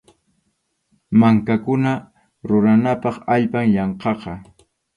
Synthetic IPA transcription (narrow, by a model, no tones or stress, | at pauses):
maŋkakʊna | ɾʊɾanapɑχaʎpaŋjɑɴqɑqɑ